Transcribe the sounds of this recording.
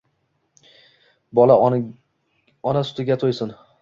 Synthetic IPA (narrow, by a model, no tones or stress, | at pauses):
bɒla | ɒnasʊ̥t̪ʰɪɡʲat̪ʰojsɪn